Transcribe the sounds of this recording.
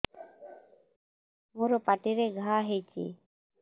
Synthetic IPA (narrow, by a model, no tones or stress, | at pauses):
muɾopaʈiɾeɡʱaɦejt͡ɕʰḭ